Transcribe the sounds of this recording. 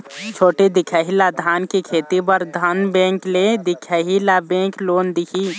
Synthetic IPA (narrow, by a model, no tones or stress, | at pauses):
t͡ʃʰoːʈed̪ɪkʰaɦilad̪ʱaːnkikʰeːt̪ipəɾd̪ʱənbẽːŋkled̪ɪkʰaɦilabẽːkloːnd̪ɪkʰi